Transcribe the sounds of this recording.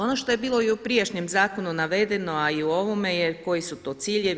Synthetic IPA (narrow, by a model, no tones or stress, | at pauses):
o̞no̞ʃt̪o̞je̞biːlˠo̞iupɾjeʃɲemzaːko̞nunaʋe̞d̪e̞no̞aiuo̞ʋo̞me̞jeko̞jisut̪o̞ːt̪siːʎeʋ